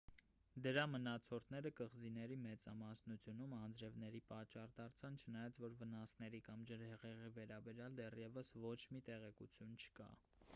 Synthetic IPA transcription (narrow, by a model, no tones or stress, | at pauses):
d̪əɾɑmənɑt͡sʰɔɾt̪ʰnɛɾəkəʁd͡zinɛɾimɛt͡sɑmɑsnut͡sʰjunumɑnd͡zɾɛvnɛɾipɑt͡ʃːɑrt̪ɑɾt͡sʰɑnt͡ʃʰənɑjɑt͡sʰvɔɾvənɑsnɛɾikɑmd͡ʒəɾhɛʁɛʁivɛɾɑbɛɾjɑld̪ɛrjɛvəsvɔt͡ʃʰmit̪ɛʁɛkut͡sʰjunt͡ʃʰə̥kɑ̰